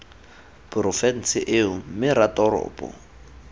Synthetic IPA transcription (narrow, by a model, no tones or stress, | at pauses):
pʼʊrɔfɛn̩sɪʔɪʊm̩mɪɾatʼɔɾɔ̰ːpʼɔ̰